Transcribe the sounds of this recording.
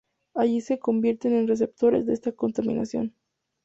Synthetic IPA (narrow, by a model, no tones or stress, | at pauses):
aʝise̞ko̞mbje̞ɾt̪e̞ne̞nre̞s̬e̞p̚t̪o̞ɾezðeest̪ako̞nt̪amḭ̃na̰sjo̞̰n